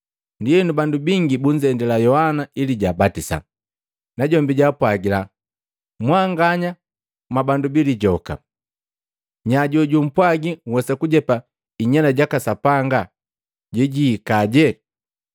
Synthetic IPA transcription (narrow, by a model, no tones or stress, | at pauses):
ndijɛnubandubiŋɡibuɲd͡ʒɛndɛlajɔhanailiɟaːbatisa̰ | naɟɔmbiɟapwaɡila | mwaŋɡaɲa | mabandubiliɟɔka̰ | ɲaɟɔɟum̩pwaɡiŋwɛsakuɟɛpa | iɲalaɟakasapaŋɡa | ɟɛɟiːkaɟɛ